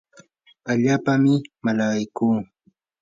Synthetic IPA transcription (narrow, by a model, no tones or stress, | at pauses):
aʎaːpamɪmalaɢajkuː